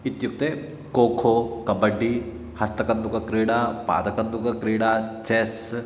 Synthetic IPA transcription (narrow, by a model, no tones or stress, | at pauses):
ɪt̪juk̚t̪e | koːkʰokɐbəɖːi | hɐst̪ɐkɐnd̪ukakɾeːɽapa̰ːd̪ɐkɐnd̪ukakɾeːɽat͡ʃeːs